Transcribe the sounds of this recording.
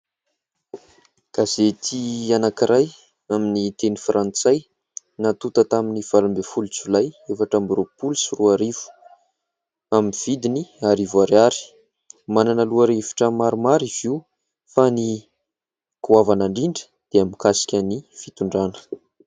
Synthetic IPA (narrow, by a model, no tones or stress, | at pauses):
ɡ̥azet̪ʰianakiɾʔaj | aminit̪enifrʔant͡saj | nat̪ut̪ət̪aminiv̥alumbefulut͡sulajefaʈ͡ʂambropulusiruaɾiv̥u̥ | aminv̥id̪iniaɾivuaɾaɾi̥ | mananəluaɾivi̥ʈ͡ʂəmaɾumaɾiv̥iw | fani | kuavanaɳɖ͡ʐiɳɖ͡ʐə̥ | d̪̥eamikasi̥kʲanifit̪uɳɖ͡ʐanə̥